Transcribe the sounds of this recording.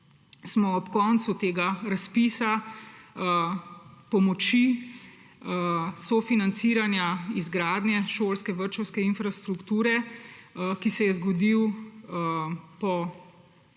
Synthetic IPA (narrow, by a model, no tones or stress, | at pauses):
smɔɔpkɔːnt̪sut̪eːɡaɾaspiːsa | pɔmɔt͡ʃi | sɔfinant̪siːɾanjaizɡɾaːd̪nʲjɛʃoːlskɛʋəɾt͡ʃɔwskɛinfɾast̪ɾukt̪uːɾɛ | kisɛjɛzɡɔd̪iw | pɔ